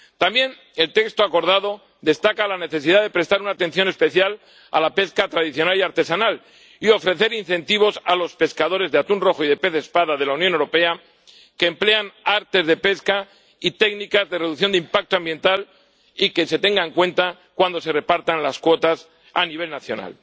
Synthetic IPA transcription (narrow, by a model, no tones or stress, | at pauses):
t̪ambje̞n | e̞lt̪e̞kst̪oako̞ɾðaðo̞ | d̪e̞st̪akalane̞θe̞siðaðe̞pɾe̞st̪aɾunaːt̪e̞nθjo̞ne̞spe̞θjal | a̰lape̞skat̪ɾaðiθjo̞naliaɾt̪e̞sanal | io̞fɾe̞θe̞ɾinθe̞nt̪iβo̞salo̞spe̞skaðo̞ɾe̞zðeat̪unro̞xoiðe̞pe̞θe̞spaðaðe̞launjonewɾo̞pe̞a | ke̞ːmple̞anaɾt̪e̞zðe̞pe̞ska | it̪e̞ɡnikazðe̞reðuθjo̞nd̪eimpak̚t̪oambje̞nt̪al | ike̞se̞t̪e̞ŋɡaeŋkwẽ̞nt̪a | kwand̪o̞se̞re̞paɾt̪anlaskwo̞t̪as | aniβ̞e̞lnaθjo̞na̰l